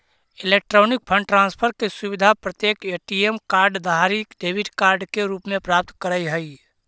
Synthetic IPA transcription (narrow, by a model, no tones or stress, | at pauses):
ɪleːk̚ʈɾoːnɪk̚pʰə̃ɳɖʈɾãːnspʰəɾkesʊʋɪd̪ʱapɾət̪jeːkeːʈiemkaːɾɖd̪ʱaɾikɖeːbɪʈkaːɾɖkeɾuːpmẽpɾaːp̚t̪kəɾəjɦəi